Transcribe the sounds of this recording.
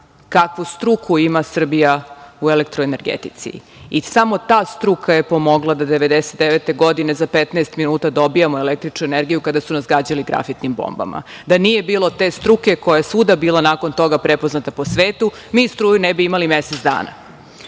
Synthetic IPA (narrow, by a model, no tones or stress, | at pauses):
kakʋust̪ɾukʰuimasr̩bijauelek̚t̪ɾoene̞ɾɡḛt̪it̪sḭ | isamo̞t̪aːst̪ɾukʰaje̞po̞mo̞ɡlˠad̪ad̪e̞ʋe̞d̪eset̪̚d̪eʋet̪e̞ɡo̞d̪inezapet̪naest̪minuːt̪ad̪o̞bijamoelek̚t̪ɾit͡ʃnueneɾɡijukad̪asunasɡaːd͡ʑaliɡɾa̰fit̪nimbo̰mba̰ma̰ | d̪anije̞biːlo̞t̪e̞st̪ɾuke̞kojajesʋud̪abiːlˠanaːko̞nt̪o̞ɡapɾepoznat̪apo̞sʋeːt̪u | miːst̪ɾuːjunebiimalimeset̪d̪a̰ːna̰